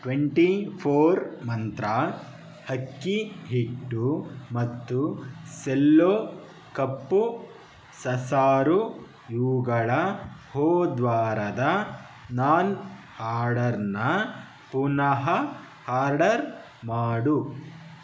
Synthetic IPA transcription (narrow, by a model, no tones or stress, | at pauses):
ʈʋeɳʈipʰoːɾmɐnt̪ɾa | hɐkːiɦiʈːumɐt̪ːuselːoː | kɐpːu | sɐsaːɾu | juːɡɐɭɐhoːd̪ʋaːɾɐd̪ɐ | naːnhaːɾɖɐɾnɐ | punɐɦɐ | haːɾɖɐɾ | maːɽu